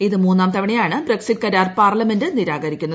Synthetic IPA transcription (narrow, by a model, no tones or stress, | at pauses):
iðɨmuːnːaːmt̪ɐʋiɳejaːɳɨbreksiʈ̚kɐɾaːrpaːrlɐme̞ndɨniɾaːɡɐɾikʲːunːɐð